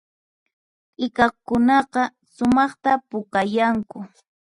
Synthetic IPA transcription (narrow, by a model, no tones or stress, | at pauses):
ɪkɑkʊnɑqɑ | sʊmɑχt̪apʊkajaŋkʊ